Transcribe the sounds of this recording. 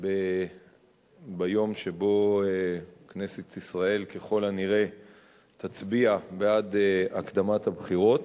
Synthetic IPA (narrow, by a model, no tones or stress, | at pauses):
be | bajo̞mʃebo̞ekne̞set̪isʁae̞lkeχo̞laniʁe̞ | t̪at͡sbiabead̪eakd̪amat̪habχiʁo̞t̪